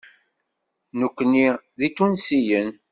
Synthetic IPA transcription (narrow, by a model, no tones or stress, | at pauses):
nukʷːnːiðit̪ːunsijən